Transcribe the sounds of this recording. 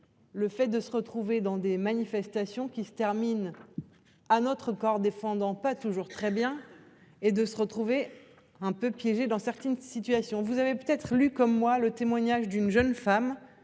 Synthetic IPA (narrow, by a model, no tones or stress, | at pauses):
ləfɛt̪̚d̪əsəʁət̪χuved̪ɑ̃d̪emanifɛst̪asjɔ̃kʲisə̥t̪ɛʁmin | anɔt̪χəkɔʁd̪efɑ̃d̪ɑ̃pat̪uʒuʁt̪χɛbjɛ̃ | ed̪əsəʁət̪χuve | ɛ̃pøpjɛʒed̪ɑ̃sɛʁt̪ɛnsit̪ɥasjɔ̃vuzavepøt̪ɛt̪χlykɔmːwalət̪emwaɲaʒd̪ynʒənfam